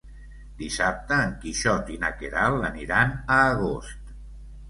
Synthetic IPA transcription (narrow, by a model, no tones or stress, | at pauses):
d̪isap̚t̪əːŋkiʃɔt̪ina̰keɾalˠəniɾanəːɣost̪